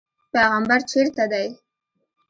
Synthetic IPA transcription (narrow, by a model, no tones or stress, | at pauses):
peɣambaɾt͡ʃeɾt̪ad̪aj